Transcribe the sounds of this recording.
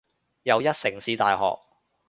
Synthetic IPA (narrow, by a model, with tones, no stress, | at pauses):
jɐ˨˧wjɐ˥t̚sɪ˨˩ŋsiː˧t̪a̰ː˨jɦɔ̰ː˨k̚